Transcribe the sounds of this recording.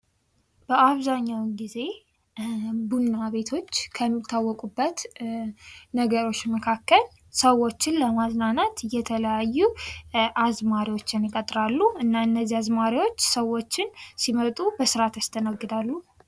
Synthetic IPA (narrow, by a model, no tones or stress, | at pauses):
b̥əʔaβzaɲːawɡize̞ | bunːaβe̞t̪ʰo̞t͡ʃːkʰəmːɪt̪ʰːawːɔkʼubːət̪ | nəɡəɾo̞t͡ʃːməkʰakːəl | səwo̞t͡ʃːɪnləmaznanat̪jɛt̪ʰələjajːuʔazmaɾiwo̞t͡ʃːɪnjɪkʼət̪ʼɾalːuɨnːaɨnːəzːiazmaɾiwo̞t͡ʃːsəwot͡ʃːɪnsimət̪ʼubəsɨɾat̪ast̪ʰənəɡːɨd̪alːu